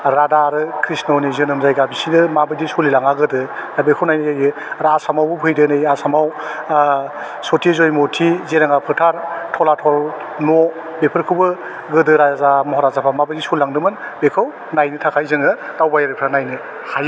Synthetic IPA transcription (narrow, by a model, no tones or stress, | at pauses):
ɾadaɾɯkʰɾisnɔnizɯnɯmzajɡabisidɯmabɯjdisulilaŋaɡɯdɯabekʰɯwnajnɯzajɡɯ | ɾasamawbɯpʰɯjdɯnɯjasamaw | sotʰizojmotʰizeɾaŋapʰɯɾtʰaɾtʰɔlatʰɔl | nɔ | bepʰɯɾkʰɯbɯ | ɡɯdɯɾazamɔɦɔɾazapʰamabɯdisullaŋdɯmɯnbekʰɯw | najnɯtʰakʰajzɯŋɯd̥awbajaɾɯpʰɾanajnɯ | haj